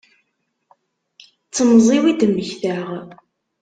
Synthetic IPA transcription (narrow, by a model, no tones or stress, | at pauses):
t͡sːəmzˤiwid̪mːəçθaʁ